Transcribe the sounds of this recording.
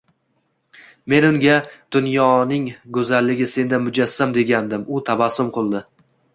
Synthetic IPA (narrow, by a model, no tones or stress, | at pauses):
me̞nʊŋɡʲad̪̥ʊnjɒnɪŋɡɵzalːɪɡʲɪse̞nd̪amʊd͡ʒasːamd̪e̞ɡʲand̪ɪmʊt̪ʰabasʊmqʰolˠd̪ɪ